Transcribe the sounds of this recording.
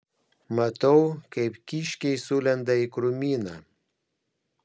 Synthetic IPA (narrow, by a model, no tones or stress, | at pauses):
mɐt̪ɐʊkɐɪpkʲiːʃʲkʲɛɪsuːlʲɛnd̪ɐɪkɾʊmʲiːnɑ